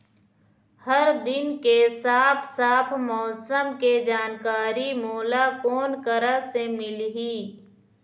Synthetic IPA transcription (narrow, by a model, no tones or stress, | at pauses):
həɾd̪ɪnkesaːpʰsaːpʰmɔːsəmked͡ʒaːnkaːɾimoːlakɔːnkəɾəsemɪlɦiː